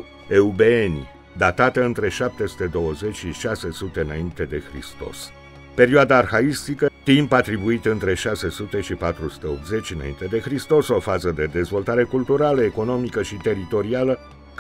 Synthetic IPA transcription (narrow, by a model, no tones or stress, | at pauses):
eubeenʲ | d̪at̪at̪əɨnt̪ɾe̞ʃap̚t̪e̞su̥t̪e̞d̪o̞wəze̞t͡ʃʲʃiʃase̞sut̪e̞ɨnaint̪e̞d̪e̞xɾḭst̪o̞̰s | pe̞ɾioad̪aːrxaist̪ikət̪impat̪ɾibuit̪ɨnt̪ɾe̞ʃase̞sut̪e̞ʃipat̪ɾusu̥t̪e̞o̞p̚t̪ze̞t͡ʃʲɨna̰ḭnt̪e̞d̪e̞xɾist̪o̞so̞fazəd̪e̞d̪e̞zvo̞lt̪aɾe̞kult̪uɾaləeko̞no̞mikəʃit̪e̞ɾit̪o̞ɾialə | k